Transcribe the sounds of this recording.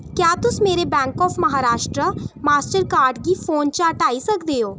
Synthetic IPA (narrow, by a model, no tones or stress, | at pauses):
kjaːt̪ʊsmeːɾebɛ̃ːŋkɔːfʰməɦaːɾaːʃʈɾəmaːsʈəɾkaːɾɖɡiːpʰoːnt͡ʃaːʈaːisəkd̪eːoː